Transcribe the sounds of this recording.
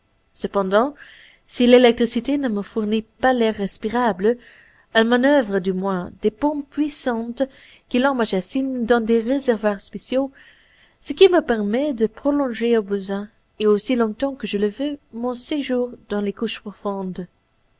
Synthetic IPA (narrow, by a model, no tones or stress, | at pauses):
səpɑ̃d̪ɑ̃ | silelɛk̚t̪χisit̪enəməfuʁnipalɛʁːɛspiʁablə | amãnœvʁəd̪ymwɛ̃d̪̥epɔ̃pɥisɑ̃t̪ | kilɔ̃maʒasind̪ɑ̃d̪eʁezɛʁvwaʁspesjo | səkiməpɛʁmɛd̪əpχɔlɔ̃ʒeobəzɛ̃ | eosilɔ̃t̪ɑ̃kəʒələvømɔ̃seʒuːʁd̪ɑ̃lekuʃpχɔfɔ̃d̪